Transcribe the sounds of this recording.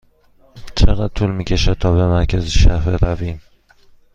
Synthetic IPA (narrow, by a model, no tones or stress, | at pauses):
t͡ʃʰaʁɑt̪ʰʊlˠmɪkʲaʃat̪ʰɒvamaɾkʲʰazɪʃaɦɪɾavi